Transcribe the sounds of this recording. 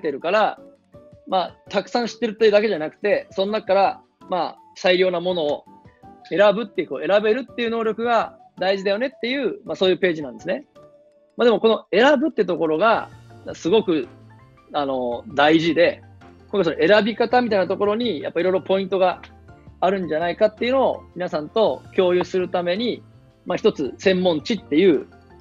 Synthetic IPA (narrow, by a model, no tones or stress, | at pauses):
t̪eɾɯ̟kaɾa | mat̪akɯ̟̥sãɰ̃ɕi̥t̪ːe̞ɾɯ̟t̪ːejɯ̟d̪ak̬e̞ʑanakɯ̟̥t̪e̞sõ̞nːakkːaɾa | ma | saiɾʲo̞ːnamo̞no̞ː | e̞ɾabɯ̟t̪ːe̞ɯ̟ko̞ːe̞ɾabe̞ɾɯ̟t̪ːe̞jɯ̟no̞ːɾʲo̞kɯ̟ɡa | d̪aiʑid̪ajo̞ne̞t̪ːe̞jɯ̟ːmaso̞ːjɯ̟ːpe̞ːʑinãnd̪e̞sɨne̞ | mad̪e̞mo̞ko̞no̞e̞ɾabɯ̟t̪ːeɯ̟t̪o̞koɾo̞ɡasɨɡo̞kɯ̟ | ano̞d̪aiʑid̪e̞ | koŋkasonoe̞ɾabʲikat̪amʲit̪ainat̪oko̞ɾo̞ɲ̟ija̰pːaiɾo̞jɾo̞po̞ĩnt̪o̞ɡaː | ɾɯ̟̃ɲ̟d͡ʑanaikat̪ːe̞iɯ̟no̞o̰mʲinasãnt̪o̞kʲo̞ːjɯ̟sɨɾɯ̟t̪ame̞ɲ̟i | maçʲi̥t̪o̞t͡sɨsẽ̞mːõ̞ɲt͡ɕit̪ːe̞jɯ̟ː